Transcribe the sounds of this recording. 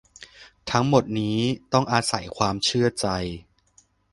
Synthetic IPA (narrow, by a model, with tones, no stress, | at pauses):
t̪ʰa˦˥ŋmo˨˩t̪̚niː˦˥t̪ɔ˥˩ŋʔaː˧sa˨˩˦jkʰwaː˧mt͡ɕʰɯ˥˩ɐt͡ɕa˧j